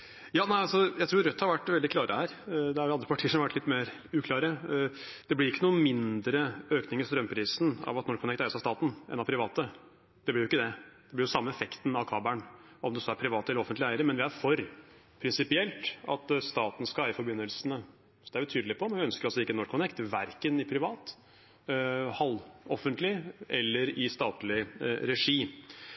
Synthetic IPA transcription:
jɑːnæɪɑlsɔjæɪt̪ʰɾuːɾɾœt̪ːhɑɾʋæʈːʋɛld̪ɪkʰlɑːɾʔəhæːɾd̪ɛhɑɾjʊɑnd̪ɾəpɑʈʰiːəʂɔmhɑʋæʈʰːlɪt̪meːɾ | ʉːkʰlɑːɾə | d̪̥ɛblɪɾɪkːənuːnmɪnd̪ɾəøːknɪŋəɾst̪ɾœmpʰɾiːsn̩ɑ̰ʋɑt̪nɔɾkʰːʊnɛkt̪æɪsɑst̪ɑːt̪nʔɛ̰nɑpʰɾɪʋɑːt̪ə | d̪̥ɛb̪ɪɾjʊɪkːəd̪ɛd̪ɛblɪɾjʊsɑmːəɛfɛkt̪n̩ɑʋkʰɑːbæɳ | ɔmd̪ɛsɔæɾpʰɾɪʋɑːt̪əɛlːɾɔfənt̪lɪæɪəɾəmɛnʋɪæɾfɔɾ | pʰɾɪnsɪpɪɛlt̪ɑ̰t̪st̪ɑːt̪n̩skɑæːɾɪfɔɾbʏnːəlsənə | sɔd̪ɛæɾbt̪ʰyːd̪əlɪpʰɔmɛnʋɪœnskəɾɑlsɔɪkːənɔʂkʰʊnɛkt̪ʋæɾkənɪpʰɾɪʋɑːt̪ | hɑlːɔfənt̪lɪɛlːəɾɪst̪ɑːt̪lɪɾɛʂiː

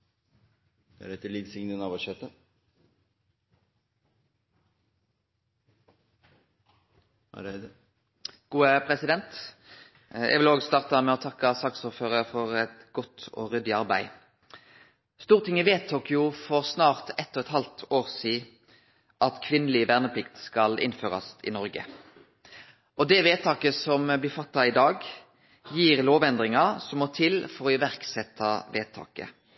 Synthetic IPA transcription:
d̪̥æ̰ɾɛt̪liːd̪sɪŋnənɑʋɑʃœt̪ə | ɾd̪ə | ɡ̥uːəpʰɾɛsɪd̪ɛnt̪ | ɛ̰ɡʋɪloːɡst̪ɑːʁt̪ɑmɛɔt̪ʰɑkːəsɑksoːʁføːʁəɾfɔʁɛt̪ɡɔt̪ɔ̰ːʁʏd̪ɪɑʁbæ̰ɪ | st̪uːʁət̪ʰɪŋːɪʋeːt̪ʰːoːkɪʊfɔʁsnɑːʁt̪ʰɛt̪ːɔʁɛt̪hɑlt̪ʰoːʁsiː | ʔɑt̪kʰʋɪnːəlɪʋæʁnəpʰlɪkt̪skɑlɪ̰nːføːʁɑ̰sɪ̰nɔɾɡə̰ | ɔd̪ɛʋeːt̪ʰɑːkəsɔmblɪfɑt̪ːɑɪd̪ɑːɡ | jiːʁloːʋɛnd̪ʁɪŋɑsɔmːɔt̪ʰɪlfɔɾɔɪʋæʁksɛt̪ʰːɑʋeːt̪ʰɑ̰ːkə̰

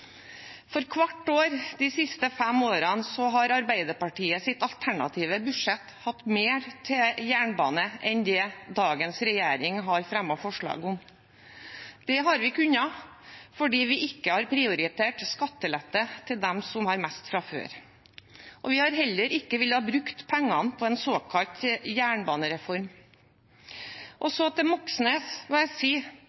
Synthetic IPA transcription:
fɔɾkʰʋɑʈːoːɾd̪ɪsɪst̪əfæmoːɾɑnsɔɦɑɾɑɾbæɪd̪əɾpɑʈʰiːəsɪt̪ɑlt̪ʰæɳɑ̰t̪ʰiːʋəbʉ̥ʂɛt̪ːhɑt̪ːmeːɾt̪ʰɪjæːɳbɑ̰ːnəʔɛnd̪ɛd̪ɑːɡənsɾɛjeːɾɪŋɦɑɾfɾɛmːɔfɔʂɭɑ̰ːɡʊm | d̪̥ɛɦɑɾʋɪkʉnɑ | fɔɖiːʋɪʔɪkːəhɑɾpʰɾɪʊɾɪt̪ʰeːʈskɑt̪ːəlɛt̪ːət̪ʰɪld̪ɛmsɔmhɑɾmɛst̪fɾɑfø̰ːɾ | ʔɔʋɪhɑɾɦɛlːəɾɪkːəʋɪlːhɑːbɾʉkt̪pʰæŋːɑnpʰɔɛnsoːkʰɑlt̪jæːɳbɑːnəɾɛfɔɾm | ʔɔsɔɑt̪̚d̪ɛmɔksnəsʋɑæsiː

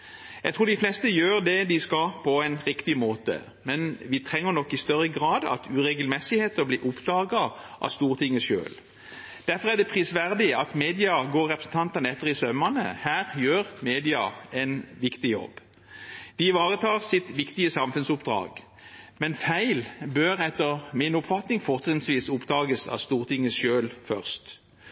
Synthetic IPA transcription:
jæɪt̪ʰʁuːɖ̪ɪflɛst̪əjøːʁd̪ɛd̪ɪskɑpʰɔɛɪnʁɪkt̪ɪmoːt̪ə̰ | mɛnʋɪt̪ʰʁɛŋːəʁnɔkːɪst̪œʁəɡʁɑːd̪ɑ̰t̪ʰʉːɾɛɡəlmɛsɪheːt̪əbliːʔʊpd̪ɑːɡɑʔɑ̰st̪uːʁt̪ʰɪŋːəʃø̰ːl | d̪̥æɾfɔʁæɖɛpʰʁiːsʋæʁd̪ɪɑt̪meːd̪ɪɑɡoːɾʁɛpɾəsn̩t̪ʰɑnt̪ɑnəɛt̪ːəʁɪsœmənə̰hæːʁjøːʁmeːd̪ɪɑɛɪnʋɪkt̪ɪjɔ̰b | d̪̥ɪʋɑːɾət̪ʰɑːʁsɪt̪ʋɪkt̪ɪəsɑmfʉnsʊpd̪ʁɑ̰ːɡ | mɛnfæɪlbøːʁɛt̪ːəʁmɪnʊpfɑt̪nɪŋfɔʁt̪ənsʋiːsʊpd̪ɑːɡəsɑ̰st̪uːʁt̪ʰɪŋːəsʃøːlfœʁst̪

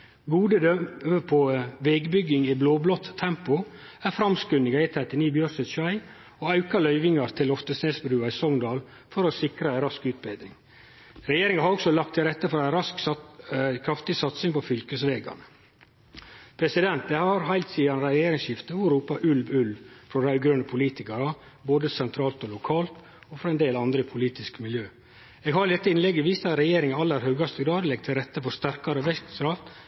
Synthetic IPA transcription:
ɡuːd̪əd̪œəpʰoʋɛɡbʏɡɪŋibloːblɔt̪ʰːɛmpʊ | æɾfɾɑmskʉnɪɡɑɪt̪ʰɾɛt̪ɪniːbjœɾsɛt̪ʃɑɪ | oːɑʉkɑlœʏʋɪŋɑɾt̪ʰɪlɔft̪əsneːsbɾʉːɑisɔŋd̪ɑːl | fɔɾɔsɪkɾəɛɪnɾɑskʉːt̪̚beɪd̪ɾɪŋ | ɾɛjeːɾɪŋɑhɑɾɔksɔlɑk̚t̪ʰːɪlɾɛt̪ːəfɔɾɑæɪɾɑsk | kʰɾɑft̪ɪsɑt̪sɪŋpɔfʏlkəsʋeːɡɑ̰nə | pʰɾɛsɪd̪ɛnt̪̚d̪ɛhɑɾɦæɪlt̪siːɑnɾɛɛjeːɾɪŋsʃɪft̪əʋʊɾuːpɑʔʉlʋʉlʋfɾɔɾæɪɡɾʉnəpʰʊliːt̪ɪkɑɾɑ | boːd̪əsɛnt̪ʰɾɑːlt̪ɔlʊkʰɑːlt̪ | ofɾɑɛnd̪eːlɑnd̪ɾəɪpʰʊliːt̪ɪskmɪljøː | eːɡɦɑɾɪd̪ɛt̪ːəɪnlɛɡːəʋiːst̪ɑt̪ɾɛjeːɾɪŋɑɑlːəɾhœːɡɑst̪əɡɾɑːd̪lɛɡ̚t̪ʰɪlɾɛt̪ːəfɔɾst̪æɾkɑɾɔʋɛsɾɑft̪

